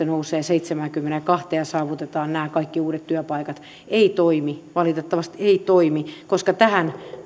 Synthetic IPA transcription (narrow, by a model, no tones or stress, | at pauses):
enouseːseit̪semækymːenekɑht̪eɑsɑːʋut̪et̪ɑːnnæːkɑikːiuːɾet̪t̪yœpɑikɑt̪ | eit̪oimiʋɑlit̪et̪ːɑʋɑst̪eit̪oimikoskɑt̪æhæn